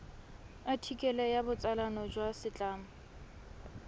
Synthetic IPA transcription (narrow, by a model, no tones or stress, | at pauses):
atʰikʼɛlɛjabʊt͡sʼalanɔd͡ʒwasɪt͡ɬʼaːmʊ